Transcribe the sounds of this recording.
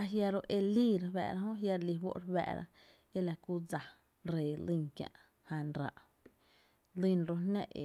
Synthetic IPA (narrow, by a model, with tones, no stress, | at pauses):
a˧ɦja˧ɾo˧ʔe˧liː˦ɾbɛ̰˧˨ɾa˧ɦõ˦ɦja˧ɾli˧wo̰˦ʔɾwɛ̰ː˧˨ʔɾa̰˧ | e˦la˧˨ku˦˧˦d͡za˨ | ɾeː˨li˦˧ŋkjã̰˧˨ʔ | hã˧nɾa̰˧˨ʔ | lĩ˦˧nɾo˧nã̰˧˨ʔḛ˨